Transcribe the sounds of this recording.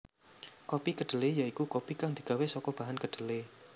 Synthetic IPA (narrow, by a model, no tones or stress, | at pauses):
kopikəɖ̪̥ə̤lejaikukopikaŋd̪̥i̤̥ɡ̥a̤wesɔkɔb̥a̤ɦankəɖ̥ə̤le